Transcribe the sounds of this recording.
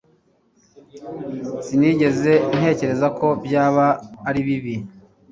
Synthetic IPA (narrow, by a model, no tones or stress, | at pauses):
siniːɟe̞ze̞n̥he̞ːce̞ɾe̞zako̞bjaːβaːɾiβiβi